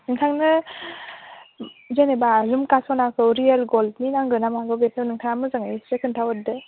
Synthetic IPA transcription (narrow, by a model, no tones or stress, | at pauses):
nɯŋtʰaŋnɯ | zenebazumkasɔnakʰɯwɾielɡolninaŋɡɯnamaɡɯbepʰewnɯŋtʰaŋamɯzɯŋajsɾekʰɯntʰawɯdɯ